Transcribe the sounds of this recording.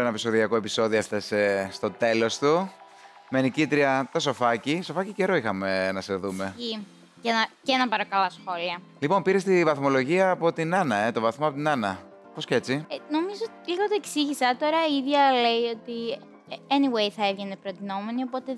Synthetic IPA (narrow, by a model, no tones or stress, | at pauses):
enɐpiso̞ðiɐkoe̞pi̥so̞ðioɐft̪esest̪o̞t̪e̞lo̞st̪u | menicit̪ɾiɐt̪ɐso̞fɐciso̞fɐciceɾo̞ixɐme̞nɐseðume̞i | cenɐcenɐpɐɾo̞kɐlɐsxo̞liɐ | lipo̞npiɾe̞st̪ivɐθmo̞lo̞ʝiɐːpo̞t̪inɐnɐe̞t̪o̞vɐθmoɐpo̞t̪inɐnɐ | posce̞t͡sino̞mizoot̪iliɣot̪oeksiʝisɐt̪o̞ɾɐiðʝɐlejo̞t̪i | eniwejθɐevʝenepɾot̪ino̞me̞nio̞po̞t̪e̞